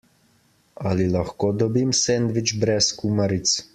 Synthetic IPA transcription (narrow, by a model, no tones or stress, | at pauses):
alilaxkoːd̪ɔbimsend̪ʋit͡ʃbɾɛskumaɾit̪s